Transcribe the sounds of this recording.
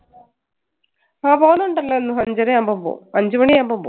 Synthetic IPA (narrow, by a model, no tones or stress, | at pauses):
aːboːnɐɳɖɐlːɐenːuɦɐɲd͡ʑɐɾejambombo̰ːɐɲd͡ʑɐmɐɳijambombo̰